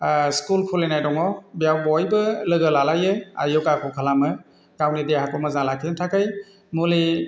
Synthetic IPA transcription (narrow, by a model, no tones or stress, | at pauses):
skulkʰulenajdɔŋɔbijawbɔjbɯlɯɡɯlalajɯa̰jɔkakʰɔkʰalamɯ | tawnidehakɔmɯzalakʰintʰakaj | muli